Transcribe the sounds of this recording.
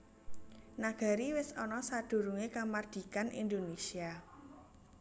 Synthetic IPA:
naɡ̥a̤ɾiwɪsɔnɔsad̪̥ṳɾuŋekamard̪̥i̤kanḭnd̪onesia

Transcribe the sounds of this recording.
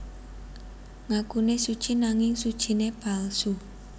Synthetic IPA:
ŋakunesud̥ʒ̥i̤naŋɪŋsud̥ʒ̥i̤neb̥a̤lsu

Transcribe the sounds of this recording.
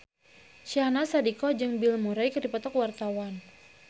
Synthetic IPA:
ʃianasadikɔd͡ʒɨŋbilmuɾajkɨdipɔt̪ɔkwart̪awan

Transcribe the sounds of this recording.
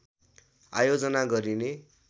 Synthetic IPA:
a̰jod͡zʌnaɡʌɾine

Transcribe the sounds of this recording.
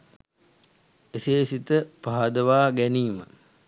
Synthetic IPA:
eseːsit̪əpaɦad̪əʋaːɡæniːmə̰

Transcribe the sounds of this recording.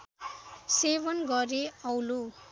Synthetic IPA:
sebʌnɡʌɾeʌwlo

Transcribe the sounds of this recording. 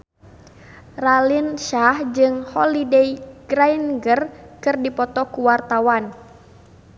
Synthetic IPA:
ralinʃahd͡ʒɨŋhɔlidejɡ̥ɾainɡərkɨrdipɔt̪ɔkuwart̪awan

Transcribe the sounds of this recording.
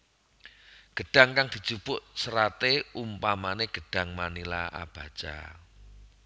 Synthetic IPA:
ɡ̥ə̤ɖ̥a̤ŋkaŋd̪̥i̤t͡ʃub̥ʊʔsəɾat̪eumpamaneɡ̥ə̤ɖ̥ä̤ŋmanilaʔa̰b̥a̤t͡ʃa̰

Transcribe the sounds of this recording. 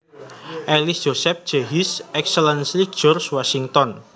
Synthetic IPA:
ʔɛlisd̥ʒ̥osɛp̚d̥ʒ̥eɦisʔɛksəlɛnsli̥d͡ʒ̥ɔrswasiŋt̪ɔn

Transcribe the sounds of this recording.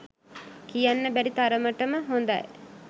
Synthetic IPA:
kijanːəbæɾit̪aɾəməʈəməɦond̪a̰j

